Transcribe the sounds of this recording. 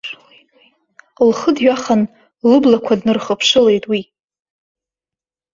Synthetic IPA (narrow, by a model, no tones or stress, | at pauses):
lχədɥᶣaχan | lɨblakʷʰadnɨrχəpʰʂɨle̞jtʼwi